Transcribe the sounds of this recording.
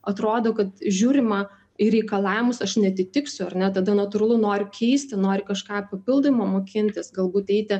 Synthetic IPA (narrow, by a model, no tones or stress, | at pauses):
ɐt̪ɾoːd̪oːkɐt̪ʒʲuːɾʲɪmɐ | ɪɾʲɛɪkɐlˠɑːʋʲɪmʊsɐʃnʲɛɐt̪ʲɪt̪ʲɪksʲʊɐrʲnʲɛt̪ɐd̪ɐnɐt̪ʊɾɐlˠʊnoːɾʲʊkʲʰɛɪsʲt̪ʲɪnoːɾʲɪkɐʃkɑːpɐpʲɪlˠd̪omoːmoːkʲɪnʲt̪ʲɪsɡɐlˠbuːt̪ɛɪt̪ʲɪ